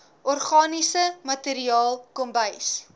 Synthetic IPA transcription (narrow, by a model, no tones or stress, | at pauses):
ɔrχɑːnisəmɐteɾiɑːlˠkɔmbəjs